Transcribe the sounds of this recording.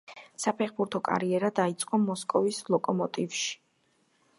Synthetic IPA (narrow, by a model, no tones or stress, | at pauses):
sapʰɛχbuɾt̪ʰɔkʼa̰ɾiɛɾad̪ait̪sʼqʼɔmɔskʼɔvislˠɔkʼɔmɔt̪ʼivʃi̥